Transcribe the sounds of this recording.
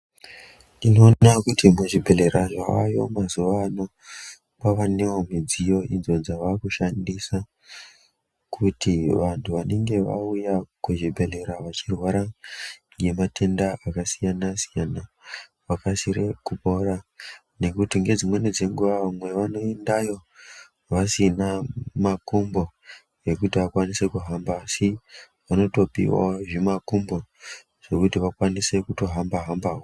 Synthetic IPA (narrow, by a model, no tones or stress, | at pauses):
ino̞ːakutimuʐibʱe̞le̞ɾaʐaːjo̞mazuʋano | paʋanewomid͡zijo̞ʔinzo̞d͡zaʋakuʃandisa | kʰutiʋantʰuʋane̞ŋɡe̞ʋa̰ujakweʐibʱe̞le̞ɾaʋat͡ʃirwaɾaŋɡe̞matʰe̞ndaʔakasijanasijana | ʋakasiɾe̞kupo̞ra | ne̞kutiŋɡe̞d͡zimwe̞ned͡ze̞ŋɡuʋaʋamwe̞ʋano̞endajo̞ | ʋasinamakumbo̞ | je̞k̬utiʋakwanise̞kuɦambaːsi | ʋano̞to̞pḭwa̰ʐemakumbo̞ | ʐ̥e̞kutiʋakwanise̞kuto̞ɦambaɦambaːwo